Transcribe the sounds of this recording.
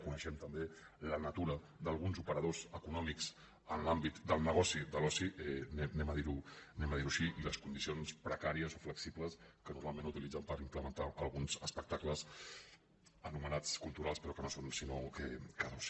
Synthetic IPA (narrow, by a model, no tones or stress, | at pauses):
kunəʃɛmt̪əmbelənət̪uɾə | d̪əlˠɣunzupəɾəð̞ozəkunɔmiks | ənlambit̪d̪əlˠnəɣ̞ɔsid̪əlɔsiɛnɛnɛməðiɾunɛməðiɾuʃiʔiləskund̪isionspɾəkaɾiəzofləksipləskənuɾmalˠmẽnut̪ilid͡zəmpəɾimpləmənt̪aʔəlˠɣunzəspək̚t̪akləz | ənumənat͡skulˠt̪uɾalˠspɾɔkənosonsinokəkənos